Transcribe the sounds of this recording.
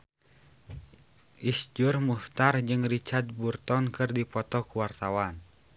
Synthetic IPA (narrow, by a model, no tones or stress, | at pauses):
ʔisd͡ʒurmuft̪ard͡ʒɨŋrit͡ʃart̪̚burt̪ɔnkɨrdipɔt̪ɔkuwart̪awan